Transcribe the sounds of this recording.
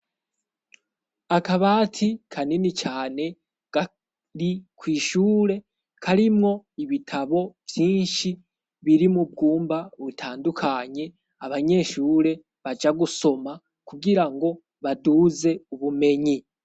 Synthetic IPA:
akaβaːtʰikʰaninit͡ʃaːne̞ | ɡ̥a | ɾikʰwiːʃuːɾe̞ | kʰaɾimŋo̞iβitʰaβo̞vjiːnʃi | βiɾimub̚ɡuːmbaβutʰaːndukʰaɲe̞ | aβaɲe̞ːʃuːɾe̞ | βad͡ʒaɡuso̞ma | kuɡiɾaŋɡo̞ | βaduze̞uβume̞ɲi

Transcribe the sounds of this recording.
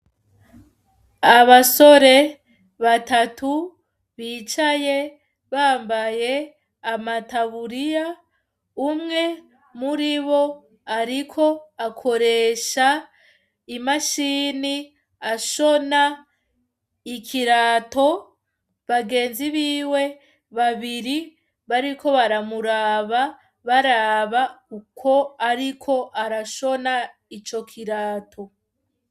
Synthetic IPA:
aβaso̞ɾe̞ | βatatʰu | βiːt͡ʃaje̞ | βaːmbaje̞ | amataβuɾija | umŋe̞ | muɾiβo̞ | aɾikʰo̞akʰo̞ɾe̞ːʃa | imaʃiːni | aʃo̞na | ikʰiɾaːto̞ | βaɡe̞ːnziβiːwe̞ | βaβiɾi | βaɾiko̞βaɾamuɾaːβa | βaɾaβaukʰo̞aɾikʰo̞ʔaɾaʃo̞na | it͡ʃo̞kʰiɾaːtʰo̞

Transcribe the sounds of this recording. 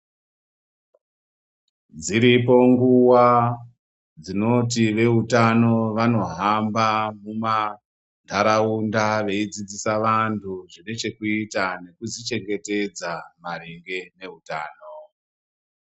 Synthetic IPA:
d͡ziɾipo̞ŋɡuwa | d͡zino̞t̬iʋe̞ɦutano̞ʋano̞ɦambamuma | ndʰʱaɾaundaʋe̞id͡zid͡zisaʋantʰuʐine̞t͡ʃe̞kuitane̞kuzit͡ʃe̞ŋɡe̞te̞d͡zamariŋɡe̞ne̞ɦuta̰ːno

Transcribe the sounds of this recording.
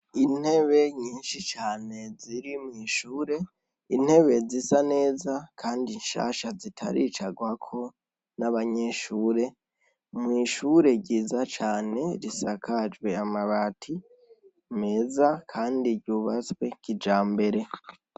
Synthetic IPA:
in̥he̞βe̞ɲiːnʃit͡ʃaːne̞ziɾimŋiːʃuːɾe̞ | in̥he̞βe̞zisane̞ːzakʰaːndinʃa̰ːʃazitʰa̰ɾḭt͡ʃaɡwakʰo̞ | naβaɲe̞ʃuːɾe̞ | mŋiːʃuɾe̞ɟiːzat͡ʃaːne̞ɾisakʰad͡ʒwe̞amaβatʰi | me̞ːzakʰaːndiɾɟuβat͡skwe̞kid͡ʒaːmbe̞ɾe̞

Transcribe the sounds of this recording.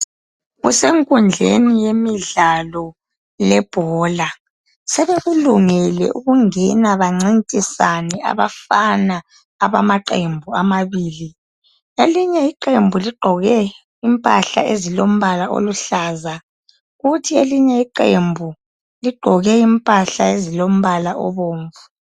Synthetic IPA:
ɣṵseŋkʼund͡ɮʱḛnijemiɮalɔ | lɛb̥ʱɔːla | sɛβeɣuluŋɛlɛ̰ʔuɣuŋɛnaβaŋ͡ǀintʼisanɛa̰βa̰fana | aβamaǃembʱuamaβiːli | eliɲɛiǃembʱuliɡ͡ǃʱɔɣɛ | impʼa̰ɬa̰ezilom̩βalaʔo̰luɬaːza | ɣutʰieliɲɛiǃembʱu | liɡ͡ǃ̥ʱɔɣɛimpʼaɬaezilom̩βalaʔɔ̰βoːɱvu

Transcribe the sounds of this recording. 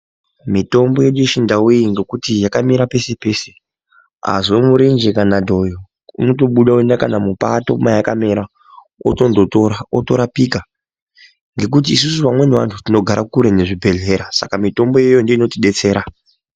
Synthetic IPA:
mito̞mbo̞je̞ɗueʃindaujiŋɡe̞kutijakamiɾape̞se̞pe̞ːse̞ | a̰zomuɾend͡ʒekanadʱo̞jo | ṵno̞t̬o̞ɓuɗaue̞ndakanamupato̞̰majaka̰meɾa | o̰tondotoaoto̞ɾapika | ŋɡe̞k̬ut̬iːs̬usuʋamwe̞neʋa̰ntʰutino̞ɡʱaɾakuɾe̞ne̞ʐibʱe̞ɮe̞ɾasakamito̞mbo̞je̞jondeino̞tiɗe̞t͡se̞ːɾa

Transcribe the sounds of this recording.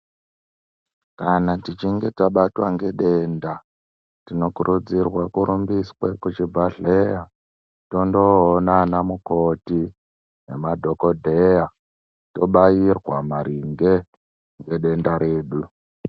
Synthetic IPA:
kanatit͡ʃiŋɡe̞taɓatwa̰ŋɡe̞ɗeːnda | tino̞kuɾʔud͡zirwakuɾʔumbiswekut͡ʃibʱaɮeja | to̞ndo̞ɦːnanamuko̞ti | nemadʱo̞ko̞dʱe̞ja | to̞ɓajirwamaɾʔiŋɡe̞ | ŋɡe̞ɗe̞ndaɾe̞ːɗu

